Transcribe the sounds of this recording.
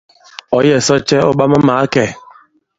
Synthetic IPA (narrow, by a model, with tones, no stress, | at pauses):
ɔ˨jɛ˨sɔ˦t͡ʃɛ˦ɔ˦ɓa˦ma˦maː˨˦kɛ˨